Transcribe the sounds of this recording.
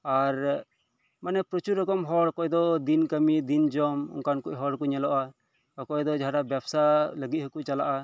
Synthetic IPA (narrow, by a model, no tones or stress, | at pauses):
aɾ | manɛpɾɔt͡ʃuɾɔkɔmɦɔɽkɔʔɛd̪ɔd̪inkəmid̪ind͡ʒɔmṵŋkankuʔɦɔɽkɔɲɛlɔʔa | ɔkɔjɛd̪ɔd͡ʒaaɽabjabsaləɡit̪̚həkuʔt͡ʃala̰ʔa